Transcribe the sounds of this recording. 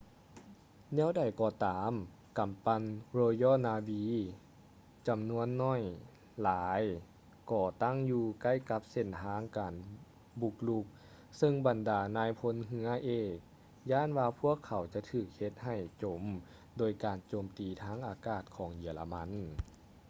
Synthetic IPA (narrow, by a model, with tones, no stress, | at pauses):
nɛː˧˥˨wda˨˩jkɔː˧˩t̪aː˨˦m | ka˨˩mpa˧nɾoː˧jɔː˥˩˨naː˧wiː˧˥ | t͡ɕa˨˩mnu˧˥ənːɔː˧˥˩j | laː˨˦j | kɔː˧˩t̪a˥˨ŋjuː˧ka˧˥˩jka˧˥p̚se˧˩nt̪ʰaː˧˥ŋkaː˨˩n | bu˧k̚lu˧k̚ | sɤ˧ŋba˨˩ndaː˨˩naː˧˥jpʰo˧˥nɦɯ˧˥ɐʔeː˧˩k̚ | jaː˧˥˨nwaː˧pʰu˥˩əkʰːa˨˩wt͡ɕa˧˦t̪ʰɯː˧˩k̚he˧t̪̚ha˨˩jt͡ɕo˨˩m | doː˨˩jkaː˨˩nt͡ɕoː˨˩mt̪iː˨˩t̪ʰaː˧˥˨ŋʔaː˨˩kaː˧˩t̪̚kʰɔː˩˦ŋji˨˩la˧ma˧˥n